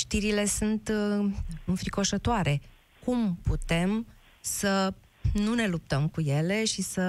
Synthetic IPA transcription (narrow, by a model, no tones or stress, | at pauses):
ʃt̪iɾile̞sunt̪ | ɨɱfɾiko̞ʃət̪oaɾe̞ | kumput̪e̞m | sə | nune̞lup̚t̪əmkuje̞le̞ʃisə